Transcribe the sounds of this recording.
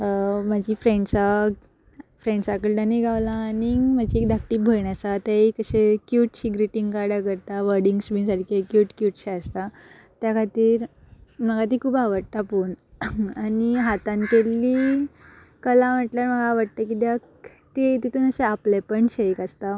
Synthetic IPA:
əmad͡ʑiːfɾẽɳɖsa | fɾeɳɖsakəlɖəniɡʱaʋlaːnimad͡ʑiek̚d̪ak̚ʈiːbʱəɾɳjat͡sat̪aikəɕekjuːʈɕiɡɾiʈiŋɡkaɽakəɾt̪aʋəɾɖiŋɡsmiːsaɾkʰekjuːʈkjuːʈɕeəst̪a | t̪jakʰat̪iːɾ | məɡat̪̬ikʰuːbaʋəɽt̪apuːɳaniɦat̪ankelːiː | kəlãm̤əʈljaɾm̤əɡaːʋəɽt̪akid̪jak | t̪et̪it̪ʰuːnəseaplepəɳɕejkəst̪a

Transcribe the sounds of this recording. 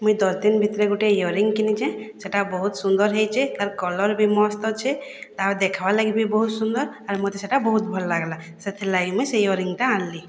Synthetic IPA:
mujd̪ɔst̪inbʱit̪ɾeɡuʈejɔɾiŋɡkinit͡ʃʰɛ̃seʈabɔɦut̪sund̪ɔɾɦejt͡ʃʰɛt̪aɾkɔlɔɾbʱimɔst̪ɔt͡ʃʰɛt̪ad̪ekʰabalaɡibʱibɔɦut̪sund̪ɔɾaɾmut̪eseʈabɔɦut̪bʱɔllaɡla | sət̪ʰelaɡimusejɔɾiŋɡʈ̪ããlːi

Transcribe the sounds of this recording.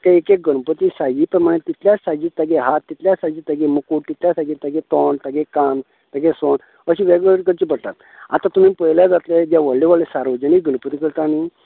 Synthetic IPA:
kaekek̚ɡənpət̪isajipɾəɾmaɽ̃et̪it̪ljasad͡ʑiːt̪əɡeɦat̪ːit̪ljasad͡ʑit̪əɡemukuːʈt̪it̪lʲjasaɡit̪əɡet̪ɔnt̪əɡekan | t̪əɡeson | əɕĩʋɛɡʋəɾkəɾt͡ɕipəɽt̪at̪ | a̰t̪at̪umĩpəjljad͡zat̪led͡ʑjaʋəɭːeʋəɭlesaɾʋəd͡ʑəniɡənpət̪ikəɾt̪ani

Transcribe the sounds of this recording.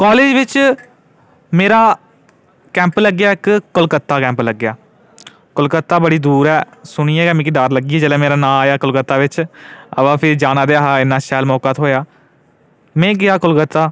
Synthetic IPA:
kaːleːd͡ʒʋɪt͡ʃ | meːɾaː | kɛ̃ːmpləɡjaːɪkkːəlkət̪ːaːkɛ̃ːmpləɡːjaː | kəlkət̪ːaːbəɽiːd̪uːɾɛːsʊɽ̃iːɛːkɛːmĩkɪd̪aːɾləɡiːɛːd͡ʒəːlɛːmeːɾaːnãːaːjaːkəlkət̪ːaːʋɪt͡ʃə̰ʋãːpʰɪɾd͡ʒaːnaːd̪eːaːɦaːɪnːaːʃɛːlmɔːkaːt̪ɦoːjaː | mɛ̃ːɡɪjaːkʊlkət̪ːaː

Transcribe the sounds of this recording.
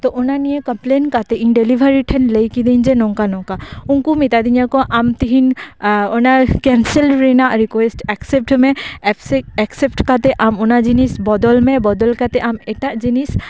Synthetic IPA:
t̪ɔʔʊnanijekɐmplenkat̪eʔĩnɖelibʱəɾiʈʰenleikid̪eind͡ʒenɔ̃ŋkanɔ̃ŋkaʊnkumit̪ad̪iɲakoʔamt̪iɦinɔnakɛnsəlɾenaɾikwesʈɛksep̚ʈmẽseɛksep̚ʈkat̪eʔamunad͡ʒinisbɔd̪ɔlmẽbɔd̪ɔlkat̪eʔameʈad͡ʒinis

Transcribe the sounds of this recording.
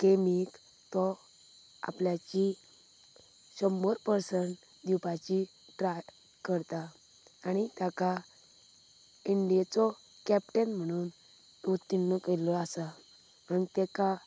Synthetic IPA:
kemik | t̪ɔ | a̰pljat͡ɕi | ɕɔmːɔɾpəɾsəɳʈ | d̪upat͡ɕi | ʈɾaʈ | kəɾt̪aː | ɽ̃it̪jaka | iɳɖiat͡sɔ | kɛp̚ʈenm̤əɽ̃uːn | t̪ut̪ːinːɔkelɔasa | m̤əɽnt̪ɛka

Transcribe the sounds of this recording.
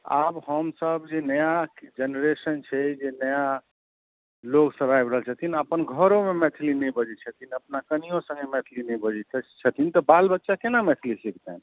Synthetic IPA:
a̰bhəmsəbd͡ʒenəjad͡ʒenɾesənt͡ʃʰɛd͡ʒenəja | loksəbajbɾəɦəlt͡ʃʰət̪ʰinəpənɡʱəɾomemɛt̪ʰilinɛbəd͡ʒit͡ʃʰət̪ʰinəpnakənijosə̃ŋɡemɛt̪ʰlinəbəd͡ʒit͡ʃʰət̪ʰint̪ɔbalbətːʃakenamɛt̪ʰilisikʰt̪ɛn

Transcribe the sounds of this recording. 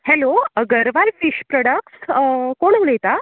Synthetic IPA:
hɛloɡəɾʋaɾfiɕpɾɔɽək̚ʈskoɳuɭəjt̪a

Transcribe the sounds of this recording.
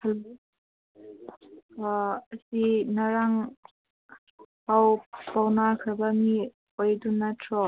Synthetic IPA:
al | ɐsinaɾaŋ | pawpawnaɾkʰabami | ojdunatʰɾɔ

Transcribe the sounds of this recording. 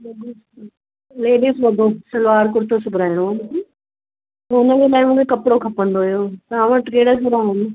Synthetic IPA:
leːɖis | leːɖisʋɐd̪ʱosɐlʊʋaːɾkʊɾt̪ʰosʊbʱɾaːɪɽ̃oaːmɪsi | ɦoːnəd͡ʑelaːɪmũːkʰekɐpɽokʰɐpə̃nd̪oijoːt̪ɐʋãʋɐʈkeːɽəsɐɾaːɦɪn

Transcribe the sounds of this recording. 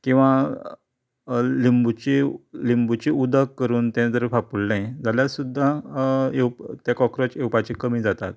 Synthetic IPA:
kĩw̃ʋa | limbut͡ɕilimbut͡ɕiud̪ʱəkːəɾuːnt̪ɛ̃d͡zəɾfapulnãjd͡zaljasud̪ʱːaewpt̪ekɔkɾət͡ɕewpat͡ɕikəmiːd͡zat̪a̰t̪̚

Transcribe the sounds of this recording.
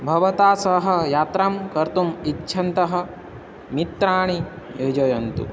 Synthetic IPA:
bʱɐʋɐt̪aːsɐɦɐ̆jaːt̪ɾamkɐɾt̪umitːʃʰɐnt̪ɐɦɐ̆ | mit̪ɾaːɳ̃i | jod͡ʒɐjɐnt̪ṵ

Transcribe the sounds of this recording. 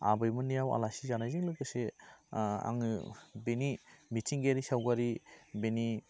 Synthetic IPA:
a̰bɯjmɔnijawa̰lasizanajziŋlɯkɯse | a̰ŋɯbenimitʰiŋɡeɾisawɡaɾibeni

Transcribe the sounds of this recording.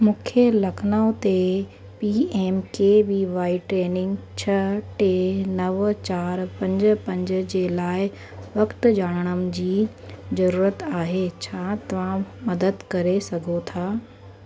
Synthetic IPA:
mũːkʰelɐkʰnaːʊ̃t̪e | piːeːmkebiʋaːiʈɾeːnɪ̃ŋɡt͡ɕʰɐʈenɐʋt͡ɕaːɾpɐ̃ɲd͡ʑʊ̆pɐ̃ɲd͡ʑʊ̆d͡ʑeːlaːɪ | ʋɐkt̪d͡ʑaːɽ̃əɽ̃əm̆d͡ʑiː | zɐɾuːɾət̪aːɦeːt͡ɕʰaːt̪ɐʋ̤ãmɐd̪əd̪kɐɾesɐɡʱot̪ʰaː

